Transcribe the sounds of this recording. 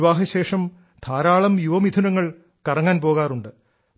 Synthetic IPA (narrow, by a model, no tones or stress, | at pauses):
ʋaːɦɐɕe̞ːʂɐm | t̪ʰaːɾaːɭɐmjuʋɐmid̪ʰʱunɐŋːɐɭ | kɐrɐŋːaːnpo̞ːɣaːruɳɖɨ